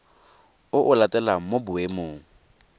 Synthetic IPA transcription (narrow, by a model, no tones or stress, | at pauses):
ʊʔʊlatʼɛlamobʊemoːŋ̩